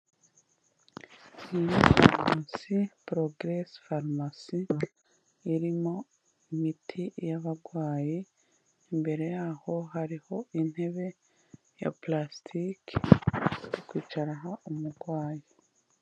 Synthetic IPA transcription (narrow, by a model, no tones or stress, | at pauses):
inifaɾmasipɾoɡɾesfaɾmasiː | ɾimo̞ | imitʰijaβaɡwaːji | imbe̞ɾe̞jaːho̞haɾiho̞in̥he̞βe̞ | ja̰plastʰik | jokwiːt͡ʃaɾaɦaʔomuɡwaːji